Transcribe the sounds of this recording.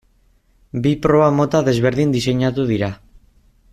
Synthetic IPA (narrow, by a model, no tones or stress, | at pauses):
bipɾo̞βamo̞t̪aðe̞zβe̞ɾðind̪ise̞ɲat̪uðiɾa